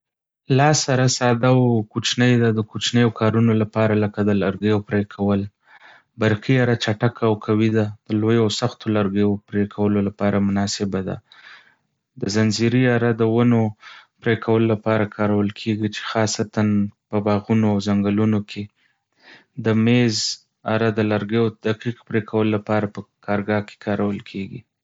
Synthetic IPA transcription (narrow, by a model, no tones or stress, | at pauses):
lɑsaɾasɑd̪awkut͡ʃnəjd̪ad̪əkut͡ʃnəjokʰɑɾunolapɑɾaləkad̪əlaɾɡəjopɾekʰawəl | baɾkiaɾat͡ʃaʈakaːwkʰawid̪ad̪̥əlojoasaxt̪olaɾɡejopɾekʰawəlolapɑɾamʊnɑsɪbad̪a̰ | d̪əzanziɾiaɾad̪əwənopɾekʰawəlolapɑɾakʰɑɾawəlkʰeɡit͡ʃe̥xɑsat̪anpəbɑɣunoawzaŋɡəlunokʰe | d̪əmez | aɾad̪əlaɾɡejod̪aqiqpɾekʰawəlolapɑɾapəkʰɑɾɡɑke̥kʰɑɾawəlkʰeɡḭ